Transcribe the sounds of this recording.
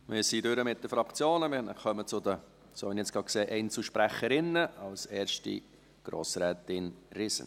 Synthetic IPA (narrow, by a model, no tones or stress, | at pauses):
mɪːɾsidʏɾəmɪt̚d̥̪əfɾɑkt͡sjoːnəmɪəχœmət͡sʊd̪ə | soːʋiniɛt͡sɡ̥ɑkseːʔɛɪnt͡sl̩ʃpɾæχəɾɪnːəɑlsɛːɾʃtḭ | ɡ̥ɾo̰ːsɾɛːt̪ɪnrɪsə̰n